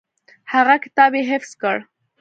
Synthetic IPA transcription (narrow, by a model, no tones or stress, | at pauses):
haɣakɪ̥t̪ɑbeɦefskəɽ